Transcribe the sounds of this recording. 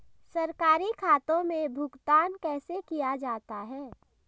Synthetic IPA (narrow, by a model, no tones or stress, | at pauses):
sɐɾkaːɾikʰaːt̪õmẽbʱʊɡt̪aːnkɛːsekijad͡ʒaːt̪aɦɛː